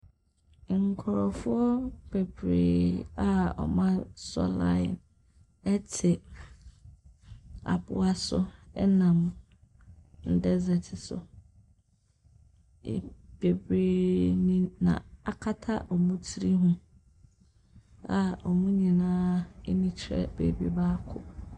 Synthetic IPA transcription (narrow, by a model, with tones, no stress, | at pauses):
ŋ̩˨kʰɔ˨ɾɔ˨fʊ˦ɔ˦b̥e˨bɾḛ˨a˦ɔ̰˨mã˦sɔ̰˦la̰˦˨n | ɛ˦tʰɪ˨ | a̰˨bʊ˦a˦sʊ̰˦ɛ˦nã˨m | n̩˨dɛ˦zɛ˨tʰɪ˨sʊ̰˨ | b̥e˨bɾe˦nĩ˦nã̰˨a˨kʰa˦tʰa˦ʔɔ˨mũ˦tʰi˦ɾi˦ɦũ˦ | a˨ɔ˨mũ˦ɲĩ˨nãː˦e˦nĩ˦t͡ɕʰɛ̰˦bḛ˨bi˦ba˦kʰʊ˦